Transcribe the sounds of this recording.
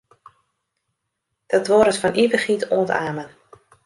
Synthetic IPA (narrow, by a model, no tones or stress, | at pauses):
d̥ɔtʋoːɾətfɔnʔivəχitʰoːntaːmən